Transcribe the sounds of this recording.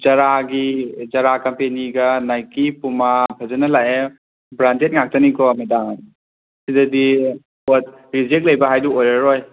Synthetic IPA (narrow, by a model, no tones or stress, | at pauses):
d͡ʒɐɾaɡid͡ʒɐɾakɐmpeniɡɐnajkipumapʰɐzɐnɐlaʔe | bɾantet̚ŋak̚tɐnikɔmita | sidɐdi | ɔt̚ | ɾizek̚lɐjbɐɦajduojɾɐɾoj